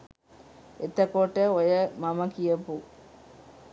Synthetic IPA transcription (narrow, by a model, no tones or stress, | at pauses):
et̪əkoʈəojəmaməkijəpu